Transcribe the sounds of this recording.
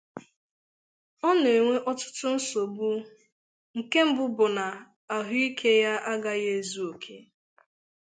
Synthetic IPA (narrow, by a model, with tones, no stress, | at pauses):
ɔ˦n˨e˨ŋʷe˦ʔɔ˦tʊ̥˦tʊ˦n̩˦so˨bu˦ | ŋ̩˨ke˦m̩˦bʊ˦bʊ˨na˨ | a˨ɦʊ˦i˦kʰe˦ja˦ʔa˦ɡa˦je˦˨zu˦o˨kʰe˦